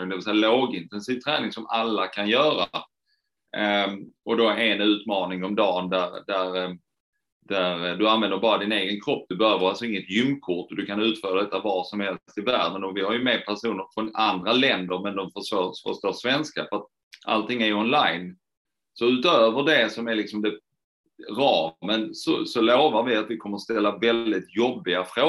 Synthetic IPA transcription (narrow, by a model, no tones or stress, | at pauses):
d̪ɛvɪsɛjːaloːɡɪnt̪ɛnsiːvt̪ʰɾɛ̰ːnɪŋsɔmalːakʰanjœːɾa | ɔd̪ɔɛnʉ̟ːt̪mɑːnɪŋɔmd̪ɑːnd̪æɾd̪æɾ | d̪̥æɾd̪ɵanvɛnd̪əɾbɑːɾad̪ɪneːɡənkʰɾɔpːd̪̥ɵbɛhøːvəɾalsɔɪŋːət̪jʏmːkʰʊʈːɔd̪ɵkʰanʉ̟ːt̪fœːɾad̪ɛt̪ːavɑʂɔmhɛlst̪ɪvæːɖənɔvɪhaɾjɵmeːd̪̚pʰæʂuːnəɾfɾɔnand̪ɾalɛnd̪əɾmɛnd̪ɔmfəʂtoːfə̰ʂt̪oːʂvɛnskafəɾat̪̚ | ʔa̰lt̪ʰɪŋːæɾɔnlajn | sɔʉ̟ːt̪øːvəɖɛsɔmæɾlɪksɔmd̪ɛ | ɾɑːmənsɔ̰sɔloːvaɾvɪat̪vɪkʰɔmːəɾst̪ɛlːavɛld̪ɪt̪jɔbːɪɡafɾoː